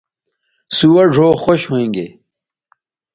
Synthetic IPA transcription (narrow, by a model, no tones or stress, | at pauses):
suwɐɖʱoːxoɕhoĩŋɡeː